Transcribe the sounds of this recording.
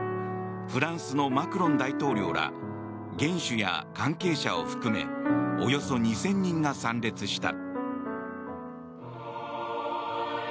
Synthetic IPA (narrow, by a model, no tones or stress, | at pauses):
ɸɯ̟ɾãɰ̃sɨno̞makɯ̟ɾõ̞nd̪ait̪o̞ːɾʲo̞ːɾa̰ | ɡẽ̞ɰ̃ɕɨja̰kãŋke̞ːɕao̞̰ɸɯ̟̥kɯ̟me̞̰o̞jo̞so̞ɲ̟isẽ̞ɲ̟ːĩŋɡasãnɾʲe̞t͡sɨɕi̥t̪a̰